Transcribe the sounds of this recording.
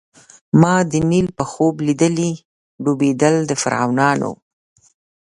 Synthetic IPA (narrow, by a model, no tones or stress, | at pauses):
mɑd̪ənilpəxoblid̪əli | ɖubed̪əld̪əfa̰ɾɑ̰wnɑno̰